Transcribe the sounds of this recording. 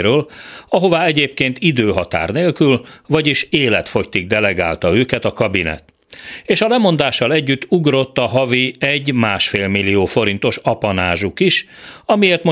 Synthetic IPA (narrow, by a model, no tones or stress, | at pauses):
ɾøːlɒɦo̞vaːɛɟeːpkeːnt̪id̪øːɦɒt̪a̰ːrneːlkylvɒɟiʃeːlɛt̪fo̞ct̪iɡ̚d̪ɛlɛɡa̰ːlt̪ɒøːkɛt̪ɒkɒbinɛ̰t̪ | eːʃɒlɛmo̞nd̪aːʃːɒlɛɟːyt̪ːuɡro̞t̪ːɒɦɒviɛɟːmaːʃfeːlmilːioːfo̞ɾint̪o̞ʃɒpɒnaːʒukiʃɒmijeːrt̪mo